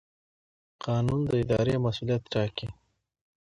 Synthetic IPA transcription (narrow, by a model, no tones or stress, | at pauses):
qʰɑnund̪əɪd̪ɑɾemasulijat̪ʈɑki